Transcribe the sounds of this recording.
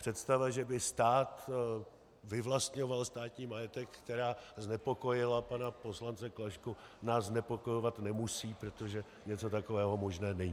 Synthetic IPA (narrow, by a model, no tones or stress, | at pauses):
pr̥ɛt̪st̪avaʒɛbɪst̪aːt̪ | vɪvlast̪ɲo̞valst̪aːt̪ɲiːmajɛt̪ɛkːt̪ɛɾaːznɛpoko̞jɪlapanapo̞slant͡sɛklaʃkunaːsznɛpo̞ko̞jovat̪nɛmusiːpɾot̪o̞ʒɛ | ɲɛt͡so̞t̪akovɛːɦo̞mo̞ʒnɛːnɛɲiː